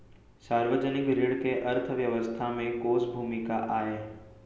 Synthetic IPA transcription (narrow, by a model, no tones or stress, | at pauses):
saːɾʋəd͡ʑənɪkɾɪɽkeʔɐɾt̪ʰəʋjəʋəst̪ʰamẽkoːsbʱuːmɪkaʔaːɦeː